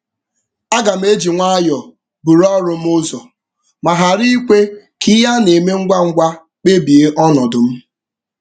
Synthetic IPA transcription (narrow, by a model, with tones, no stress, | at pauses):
a˦ɡa˨m̩˦e˦d͡ʒi˨ŋʷa˦a˦jɔ˨ | bu˨ɾɔ˦ɾʊ˦m̩˦ʊ˦zɔ˨ | ma˨ɦa˨ɾi˦i˦kʷe˦ | ki˦ja˦ne˨me˦ŋ̩˦ɡʷa˦ŋ̩˦ɡʷa˦ | k͡pe˦bi˨e˦ʔɔ˦nɔ˨dʊ˨m̩˦